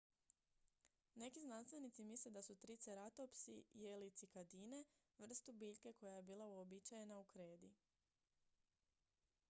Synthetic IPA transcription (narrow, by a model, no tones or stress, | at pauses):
ne̞kiznanst̪ʋe̞nit̪simisled̪asut̪ɾit̪seɾat̪opsḭjelit̪sikad̪iːne̞ | ʋr̩st̪ubiːʎke̞ko̞jaje̞biːlˠauobit͡ʃaje̞naukɾe̞ːd̪i